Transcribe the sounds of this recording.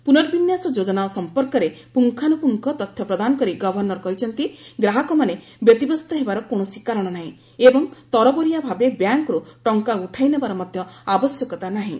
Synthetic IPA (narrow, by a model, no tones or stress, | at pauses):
punɔɾbinjasɔd͡ʒod͡ʒɔnaɔsɔmpɔɾkɔɾepuŋkʰanupuŋkʰɔt̪ɔt̪ʰjɔpɾɔd̪anɔkɔɾiɡɔbʱɔɾnɔɾɔkɔɦit͡ʃʰɔnt̪iɡɾaɦɔkɔmane | bjɔt̪ibɔst̪ɔɦebaɾɔkoɽ̃ɔsikaɾɔɽ̃ɔnaɦĩ | ebɔŋt̪ɔɾɔbɔɾijabʱabebjaŋkɾuʈɔŋkauʈʰajnebaɾɔmɔd̪ʱjɔabɔsjɔkɔt̪anaɦĩ